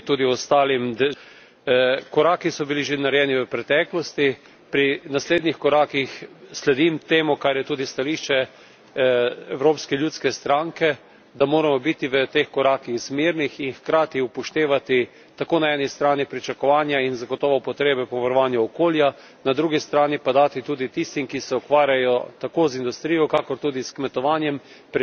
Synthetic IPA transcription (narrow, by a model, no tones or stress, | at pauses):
t̪uːd̪iɔst̪aːlimd̪ | kɔɾaːkisɔbiliʒenaɾjɛːniʋəpɾɛt̪ɛklɔst̪i | pɾinasleːd̪nixkɔɾaːkixslɛd̪imt̪eːmukaɾjɛt̪uːd̪ist̪aliːʃt͡ʃɛ | ɛwɾoːpskɛljuːt̪skɛst̪ɾaŋkɛ | d̪amoːɾamɔbit̪iʋət̪exkɔɾaːkiɣzmiɾnixinxkɾaːt̪iupɔʃt̪eːʋat̪i | t̪akoːnaɛːnist̪ɾaːnipɾit͡ʃakɔʋaːnjainzaɡɔt̪ɔːʋɔpɔt̪ɾeːbɛpɔʋaɾɔʋaːnjuɔkoːlja | nad̪ɾuːɡist̪ɾaːnipad̪aːt̪it̪uːd̪it̪ist̪imkisɛɔkʋaːɾjajɔt̪akoːzind̪ust̪ɾijɔkakɔɾt̪uːd̪iskmɛt̪ɔʋanjɛm | p